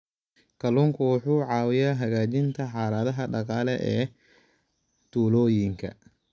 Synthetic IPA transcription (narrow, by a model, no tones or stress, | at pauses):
kʰɐluːŋkʰʊwʊħuːʕɑːwɪjaːɦɐɣaːt͡ʃɪnt̪ʰɐħɑːlɐðɐɦɐɖɑqɑːlɛʔɛː | t̪ʰuːlɔːjɪŋkʰɐ̰